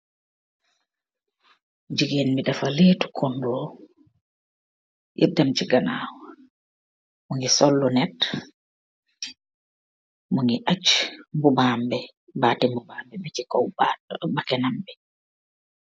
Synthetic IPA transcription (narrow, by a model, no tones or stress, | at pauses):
ɲd͡ʒiɡenmiɗafaleːtu̥kʰɔndɔ | jʔɛ̰b̚damt͡ʃiɡanaːwa | muŋɡisɔlːɔnɛt | muŋɡiʔat͡ʃːmbubambɛ | baːtimbubambɛbɛt͡ʃikɔwbakɛnambɛ